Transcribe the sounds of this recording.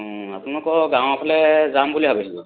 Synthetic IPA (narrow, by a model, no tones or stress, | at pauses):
ɔ̃a̰punɔkɔɡãw̃apʰalɛzambuliɦabɛtʰibɔ